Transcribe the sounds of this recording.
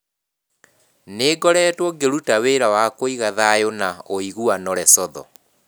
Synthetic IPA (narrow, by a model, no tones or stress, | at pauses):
neːɡɔɾɛːtwɔɡeɾutaweːɾawakoiɣaðajonaoiɣuanɔɾɛsɔðɔ̰